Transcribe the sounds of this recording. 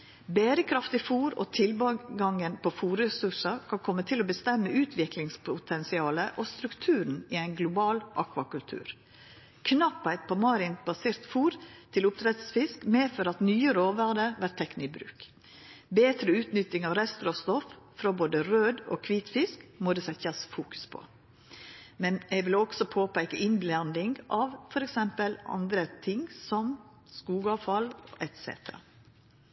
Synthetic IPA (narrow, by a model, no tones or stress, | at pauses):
bæːɾəkʰɾɑft̪ɪfuːɾo̰ːt̪ʰɪlbɑɡɑŋənpʰofuːɾɛsʉʂəɾkʰɑnkʰɔmːət̪ʰɪlɔbəst̪ɛmːəʔʉːt̪ʰʋɪklɪŋspʰʊt̪ʰɛnsɪɑːləʔɔst̪ɾʉkt̪ʰʉːɾn̩ɪæɪnɡlʊbɑːlʔɑkʋɑkʉlt̪ʰʉ̰ːɾ | kʰnɑpːæɪt̪̚pʰɔmɑːɾɪnbɑseːɾt̪fuːɾt̪ʰɪlʊp̚t̪ʰɾɛt̪sfɪskmeːføɾɑt̪nyːəɾoːʋæd̪əɾʋæʈt̪ʰːɛknɪbɾʉ̰ːk | beːt̪ɾəʉːt̪nʏt̪ːɪŋɑʋɾɛst̪əɾɔst̪ɔf | fɾɑboːd̪əɾøːd̪o̰ːkʰʋiːt̪fɪskmɔd̪ɛsɛt̪ɑsfuːkʉ̥spʰɔ̰ | mɛnɛɡʋɪlɔɡ̥sɔpʰoːpæɪkəʔɪnblɑnd̪ɪŋʔɑʋfɔɾɛksɛmpəlɑ̰nd̪ɾət̪ʰɪŋsɔm | skuːɡɑʋfɑlʔɛt̪sḛːt̪əɾɑ̰